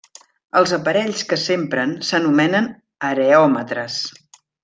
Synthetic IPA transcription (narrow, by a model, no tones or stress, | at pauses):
əlˠzəpəɾɛʎskəsempɾənsənumɛnən | əɾeɔmət̪ɾəs